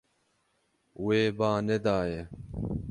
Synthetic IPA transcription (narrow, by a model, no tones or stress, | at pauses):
weːbaːned̪aːje